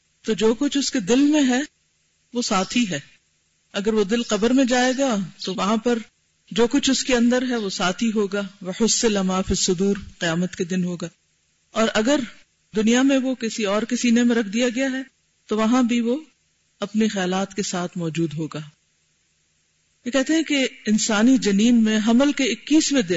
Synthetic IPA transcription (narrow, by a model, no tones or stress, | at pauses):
t̪od͡ʒoːkʊt͡ʃʰʊsked̪ɪlmẽɦɛ | ʋosaːt̪ʰiɦɛː | ɐɡəɾʋod̪ɪlqɐbəɾmẽd͡ʒaːeːɡat̪oʋɐɦãpɐɾ | d͡ʒoːkʊt͡ʃʰʊskeɐ̃nd̪əɾɦɛʋosaːt̪ʰiɦoːɡaːʋɐħʊsɪlɐmaːfisːʊd̪uːɾqɪjaːmət̪ked̪ɪnɦoːɡaː | ɔːɾʔɐɡəɾ | d̪ʊnijamẽʋokɪsiɔːɾkɪsiːnemẽɾɐkʰd̪ijaɡɐjaɦɛ | t̪oʋɐɦãbʱiʋo | ɐpnixɛjaːlaːt̪kesaːt̪ʰmɔːd͡ʒuːd̪ɦoːɡaː | jekɛɦt̪eɦɛ̃keɪnsaːnid͡ʒɐniːnmẽɦɐməlkeɪkːiːsmẽd̪ɪ